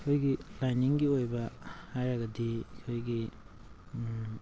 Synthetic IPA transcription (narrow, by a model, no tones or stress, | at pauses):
ojɡilajniŋɡiojbɐhajɾaɡɐdikʰojɡi